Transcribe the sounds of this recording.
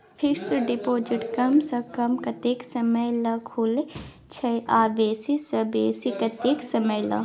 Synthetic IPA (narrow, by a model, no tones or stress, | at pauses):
pʰiksɨɖipoːd͡ʒiʈkɐmsɐkɐmkɐt̪eːksɐmɐjlɐkʰuːle | t͡ʃʰɐjʔaːbeːsisɐbeːsikɐt̪eːksɐmɐjlɐ̰